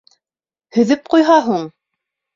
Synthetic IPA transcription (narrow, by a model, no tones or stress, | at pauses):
hɵ̆ðɘp̚qujɦɑɦuɴ